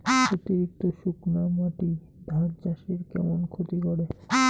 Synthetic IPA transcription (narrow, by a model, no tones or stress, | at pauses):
ot̪iɾik̚t̪oʃuknamaʈi | d̪ʱaɾd͡ʑaʃeɾkɛ̰monkʰot̪ikoɾe